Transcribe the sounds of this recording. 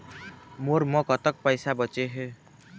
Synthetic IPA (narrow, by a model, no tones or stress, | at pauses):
moɾmʌkʌt̪ək̚pəjsabət͡ʃeɦe